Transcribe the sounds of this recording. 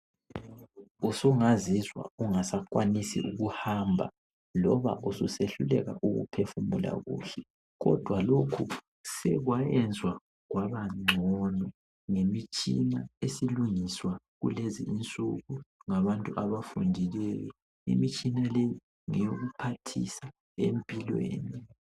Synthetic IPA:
usuŋazizwa̰uŋasakʼwanisḭʔuɣuhambʱa̰ | lɔβaʔususeɬulɛɣa̰ʔuɣṵpʰefumula̰ɣṵːɬɛ | ɣɔ̰d̥ʱwalokʰu | sɛɣwajɛnd͡zʱwa | ɣwaβaŋ͡ǀʱɔnɔ | ŋemit͡ʃʼḭnaesiluŋiswa | ɣṵleziint͡sʼṵɣuŋaβantʼuʔaβafundʱilɛjɔ | ḭmit͡ʃʼinaleji | ŋɛjoɣupʰatʰisa | empʼilwḛːni

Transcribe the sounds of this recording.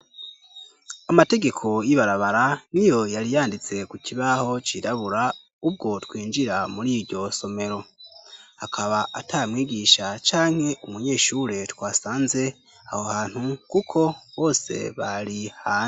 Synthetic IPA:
amate̞ɡe̞kʰo̞jiβaɾaβaɾanijo̞jaɾijaːndit͡se̞kuciβaho̞t͡ʃiɾaβuɾa | ub̚ɡo̞twiːnd͡ʒiɾamuɾiɾɟo̞so̞me̞ɾo̞ | hakʰaβaʔatʰamŋiːɡiʃat͡ʃaːŋ̥he̞ʔumuɲe̞ːʃuɾe̞twaːsaːnze̞ | ahohaːn̥hukukʰo̞βo̞ːse̞̰βaɾihaː

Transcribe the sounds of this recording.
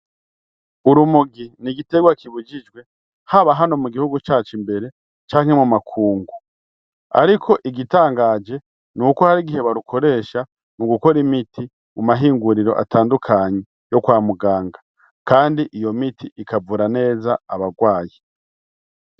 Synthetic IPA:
uɾumuɡiniɡite̞ɡwakiβud͡ʒid͡ʒɡwe̞ | haβaɦano̞muɡihuɡut͡ʃaːt͡ʃimbe̞ɾe̞ | t͡ʃaːŋ̥he̞mumakʰuːŋɡu | a̰ɾikʰo̞ʔiɡitaːŋɡaːd͡ʒe̞ | nukohaɾiɡihe̞βaɾukʰo̞ɾe̞ːʃa | nuɡuko̞ɾimitʰi | mumaɦiːŋɡuɾiɾo̞ʔa̰taːndukʰaɲe̞ | jo̞kwaːmuɡaːŋɡa | kaːndiʔijo̞mitʰiikavuɾane̞ːzaːβaɡwaːji

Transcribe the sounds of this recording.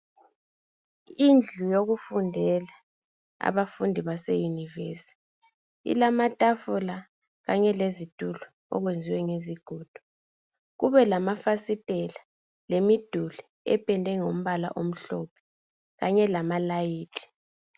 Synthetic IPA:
ind͡ɮʱujoɣufundʱɛla | a̰βafundʱiβasɛjuniveːsi̥ | ḭlamatʼafula | ɣaɲɛlezitʼulu | ɔ̰ɣwend͡zʱiwɛŋeziɡ̥ʱuːd̥ʱu̥ | ɣuβɛlamafasitʼɛla | lemid̥ʱuli | ɛ̰pʰʼɛndʱɛŋom̩βala̰ʔom̩ɬɔpʰɛ̥ | ɣaɲɛlamalajiːtʰʼi̥

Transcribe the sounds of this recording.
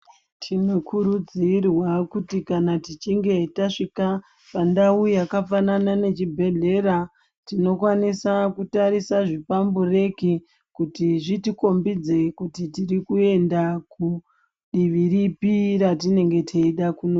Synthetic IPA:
tʰino̞kʰuɾud͡zirwakutikanatit͡ʃiŋɡe̞taʂika | pandaujakafananane̞t͡ʃibʱe̞ɮe̞ɾa | tino̞kwanisakutaɾisaʐipambure̞ki | kutiʐitiko̞mbid͡ze̞kutitirikue̞ndaku | ɗiʋiɾipiɾatine̞ŋɡe̞tʰeiɗakuno

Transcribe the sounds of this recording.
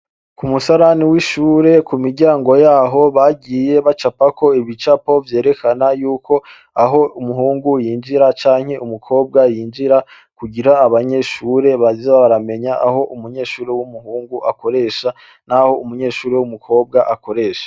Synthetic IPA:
kumusaɾaniwiʃuːɾe̞kumiɾɟaːŋɡo̞jaːɦo̞βaɡiːje̞βat͡ʃapako̞iβit͡ʃapo̞vje̞ːɾe̞kʰanajuːko̞ | aɦo̞umuɦuːŋɡujiːnd͡ʒiɾat͡ʃaːŋ̥he̞ʔumukʰo̞ːb̚ɡajiːnd͡ʒiɾa | kuɡiɾaːβaɲe̞ʃuːɾe̞βazzeβaβaɾame̞ɲaʔaɦo̞ʔumuɲe̞ːʃuːɾewumuɦuːŋɡuʔako̞ɾe̞ːʃa | naho̞umuɲe̞ːʃuːɾewumukʰo̞ːb̚ɡaʔako̞ɾe̞ːʃḁ

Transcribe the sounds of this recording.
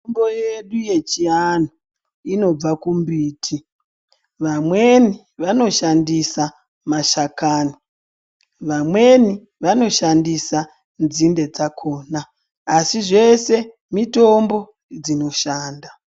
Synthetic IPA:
omboje̞ɗuje̞t͡ʃiano | ino̞b͡vakumbiːtʰi | ʋamwe̞ni | ʋano̞ʃandisa | maʃakaːni | ʋamwe̞ni | ʋano̞ʃandisa | nzinde̞d͡zakʰo̞ːnaː | siʐe̞se̞ | mito̞mbo̞ | d͡zino̞ʃaːnda

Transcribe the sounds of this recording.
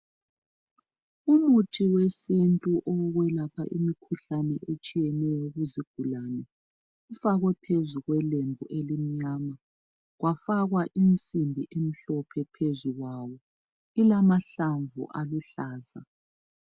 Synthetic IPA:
umutʰiwesintʼuʔɔɣwɛlapʰa̰ʔḭmikʰuɬanɛʔet͡ʃʼijɛnɛjɔɣuziɡ̥ʱulaːnɛ | ufaɣwɛpʰezuɣwɛlembʱuʔelim̩ɲama | ɣwafaɣwaʔint͡sʼimbʱḭʔem̩ɬɔpʰɛpʰezuɣwawɔ | ilamaɬaɱvṵʔaluɬaːza

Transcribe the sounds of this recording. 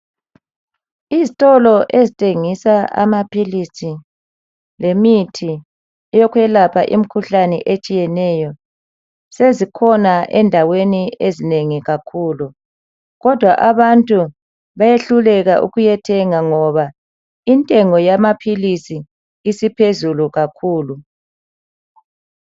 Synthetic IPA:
izitʼɔlɔʔezitʼeŋisaa̰mapʰilisi | lemitʰi | ɛjɔkwɛlapʰa̰ʔḭm̩kʰuɬanɛ̰ʔet͡ʃʼijɛnɛjɔ | sezikʰɔnaʔɛndʱaweniezineŋiɣakʰuːlu | ɣɔd̥ʱwaʔaβantʼu | βajeɬulɛɣaʔṵɣujɛtʰɛŋaŋɔβa | intʼɛŋɔjamapʰilisiː | sipʰezuluɣakʰuːlu

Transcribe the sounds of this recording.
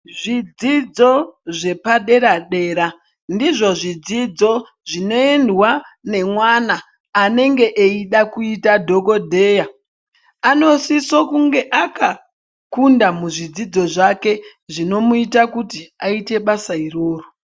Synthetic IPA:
ʐid͡zid͡zo̞ʐe̞paɗe̞ɾaɗe̞ːɾa | ndiʐo̞ʐid͡zid͡zo̞ | ʐino̞endwane̞mwanaː | ne̞ŋɡe̞ʔeiɗakuitadʱo̞ko̞dʱe̞ːja | ano̞sisokuŋɡe̞ʔaka | kundamuʐid͡zid͡zo̞ʐake̞ | ʐino̞muitakutiaite̞ɓasairo̞ːro

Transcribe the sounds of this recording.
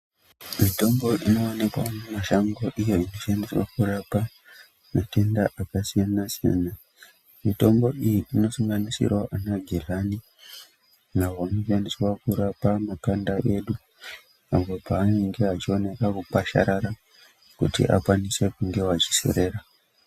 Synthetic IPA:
mito̞mbo̞ʔino̞ːne̞kwamumaʃaŋɡoʔijo̞ino̞ʃandiswa̰kuɾapa | mate̞ndaʔakasijanasija̰na | mito̞mbo̞ijiʔino̞suŋɡanisḭrwaʔanaɡʱelani | naɦoanoʃandiswakuɾapamakandaʔe̞ɗu | ambo̞paːniŋɡe̞at͡ʃio̞ne̞kakupaʃa̰ɾaɾa | kutḭʔa̰kwanise̞kuŋɡe̞wat͡ʃi̥sḛɾe̞ɾa

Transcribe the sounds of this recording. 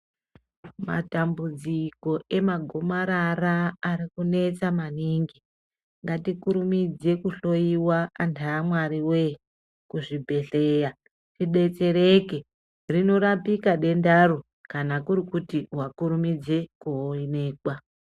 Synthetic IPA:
ma̰tambud͡ziko̞ʔe̞maɡʱo̞maɾaraːɾikune̞t͡samaniːŋɡi | ŋɡatikuɾumid͡ze̞kuɬo̞iwaːntʰaːmwaɾiwe̞ | kuʐibʱe̞ɬe̞ja | riɗe̞t͡se̞ɾeke̞ | rino̞ɾapikaɗe̞ndaro | kanakuɾikutiɦwakuɾumid͡ze̞kuɦoine̞ːkwa

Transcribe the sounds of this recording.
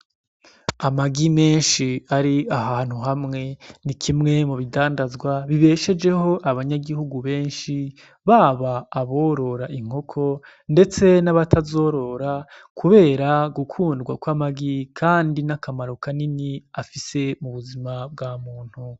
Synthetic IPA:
amaɡime̞ːnʃiaɾiahaːn̥huɦamŋe̞nikʰimŋe̞muβidaːndazɡwaβiβe̞ːʃe̞d͡ʒe̞ho̞ʔaβaɲaɡihuɡuβe̞ːnʃi | βaːβaːβo̞ːɾo̞ɾaʔiŋ̥o̞kʰo̞ | nde̞t͡se̞naβatʰazo̞ːɾo̞ɾa | kʰuβe̞ːɾaɡukʰuːndɡwakwamaɡikʰaːndinakamaɾo̞kaniniafise̞muβuzimabɡaːmuːn̥hu

